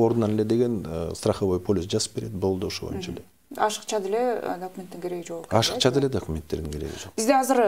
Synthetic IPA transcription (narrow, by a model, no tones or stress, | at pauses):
o̞ɾd̪nɑnele̞d̪e̞ɡe̞nst̪rɑχoβo̞jpʰolʲisd͡ʒɑzɯ̥p̚beɾe̞d̪bo̞lˠd̪uoʃoβojnt͡ʃaḛle | ɑʃɨ̥qt͡ʃɑd̪eled̪okumʲent̪ːiŋkʲeɾe̞ɡid͡ʒoɑʃɯqt͡ʃʰɑd̪eled̪okumʲent̪ːe̞ɾd̪iŋkeɾḛɡḭd͡ʒo̞qbizd̪eɑzɨɾ